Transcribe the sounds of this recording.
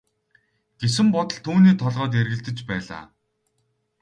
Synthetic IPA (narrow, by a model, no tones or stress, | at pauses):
ɡ̥es̬ɘ̆mpɔt̪ɞ̆ɮt̪ʰuːniːt̪ʰɔɮʁœːt̪̬jerɣɘ̆ɬt̪ɘ̆t͡ɕpæːɮa̰ː